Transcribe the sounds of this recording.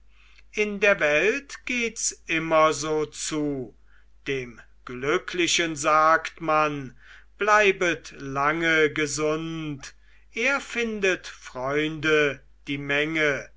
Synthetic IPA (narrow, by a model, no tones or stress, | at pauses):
ʔɪndeːɐvɛltɡ̥eːtsʔɪmɐzoːt͡suː | d̥eːm | ɡ̥lʏkʰlɪɕənzaːktmanb̥laɪbətlaŋəɡəzʊnt | ʔeːɐfɪndətfʁ̥ɔʏndə | d̥iːmɛŋə